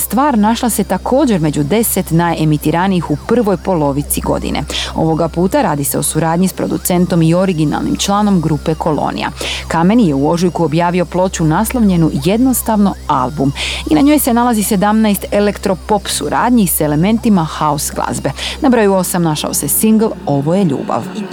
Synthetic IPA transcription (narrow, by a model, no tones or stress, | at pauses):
st̪ʋaːɾnaʃlˠase̞t̪akʰo̞ːd͡ʑe̞ɾme̞d͡ʑud̪e̞set̪naːje̞mit̪iɾaniixupr̩ʋo̞jpo̞lo̞ʋit̪siɡo̞̰d̪ḭnʔḛo̞̰ʋo̞ɡapuːt̪aɾaːd̪ise̞o̞suɾaːd̪ɲispɾo̞̰d̪ṵt̪se̞nt̪o̞mio̞ɾiɡina̰lˠnḭmt͡ʃlˠaːno̞mɡɾuːpe̞kʰo̞lˠo̰nḭja̰kame̞nije̞uo̞ʒujkuobjaːʋio̞plˠo̞t͡ɕunaslˠoʋʎe̞nuje̞d̪no̞st̪aʋno̞alˠbuminaɲo̞ːjse̞nalˠazise̞d̪amnajst̪e̞le̞kt̪ɾo̞po̞psuɾa̰ːd̪ɲise̞le̞me̞nt̪imaxaosɡlˠa̰zbe̞nabɾo̞juo̞samnaʃa̰o̞sesiŋɡl̩ˠo̞ʋo̞je̞ʎṵːba̰ʋ